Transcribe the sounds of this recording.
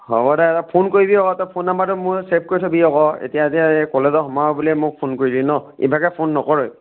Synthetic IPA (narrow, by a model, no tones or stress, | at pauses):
hɔ̰bɔdɛɛtapʰonkoɹibiɔkɔtapʰonːambatʊmʊsep̚ʰkoɹitʰɔbiɔkɔḛtijaziaekɔlezɔɦɔmaɔbulɛmʊk̚pʰonkoɹilinɔḭbʱakɛpʰonːɔkɔɹɔj